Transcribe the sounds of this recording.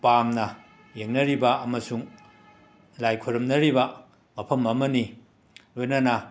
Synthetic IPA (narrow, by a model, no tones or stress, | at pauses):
pamnɐ | jeŋnɐɾibɐɐmɐsuŋ | lajkʰoɾɐmnɐɾibɐ | mɐpʰɐmɐmɐni | lojnɐnɐ